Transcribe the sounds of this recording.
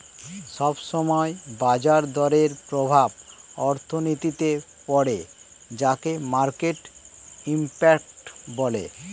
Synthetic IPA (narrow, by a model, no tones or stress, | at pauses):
ʃɔbʃɔmɔebad͡ʑaɾd̪ɔɾeɾpɾobʱabɔɾt̪ʰonit̪it̪e | pɔɽe | d͡ʑakemaɾkeʈimpɛk̚ʈbɔlḛ